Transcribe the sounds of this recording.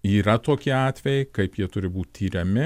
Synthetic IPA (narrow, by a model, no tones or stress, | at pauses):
iːɾɐt̪oːkʲɪɑːt̪ʲʋʲɛjɛɪkɐɪpjiɛt̪ʊɾʲɪbuːt̪ʲt̪ʰʲiːɾʲɛmʲɪ